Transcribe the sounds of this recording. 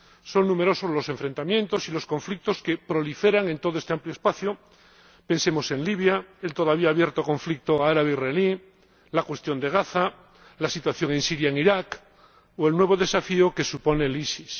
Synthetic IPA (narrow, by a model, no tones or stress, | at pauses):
so̞ŋnũme̞ɾo̞sozlo̞sẽ̞ɱfɾe̞nt̪amjẽ̞nt̪o̞silo̞skõ̞ɱflik̚t̪o̞ske̞pɾo̞life̞ɾaŋẽ̞nt̪o̞ðoe̞st̪eampljospaθjo | pẽ̞nse̞mo̞se̞nliβjaelt̪o̞ðaβ̞iaːβje̞ɾt̪okõ̞ɱflik̚t̪oaaɾaβeiraeli | lakwe̞st̪jo̞nd̪e̞ɣ̞aθa | lasit̪waθjo̞ŋẽ̞nsiɾjaeŋiɾak | oe̞lnweβ̞o̞ðe̞safioke̞supo̞ne̞lisis